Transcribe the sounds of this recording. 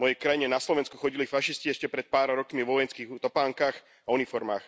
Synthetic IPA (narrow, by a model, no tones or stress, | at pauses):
mɔjɛjkɾajiɲɛnaslɔʋɛnskuxɔɟilifaʃisciɛʃcɛpɾɛt̪̚paːɾɾɔkmiʋɔʋɔjɛnskiːɣt̪ɔpaːŋkaːx | aunifɔɾma̰ːx